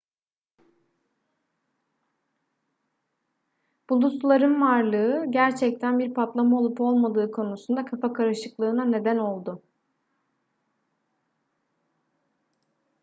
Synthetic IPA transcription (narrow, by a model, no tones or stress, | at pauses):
b̥ulˠuslˠaɾɯnvaɾlˠɯːɯɟæɾt͡ʃʰɛc̚t̪ʰænbiɾpʰat̪lˠamao̞lˠupo̞lˠmad̪ɯːkʰo̞nusund̪akʰafakʰaɾɯʃɯklˠɯːnane̞d̪æno̞lˠd̪ʊ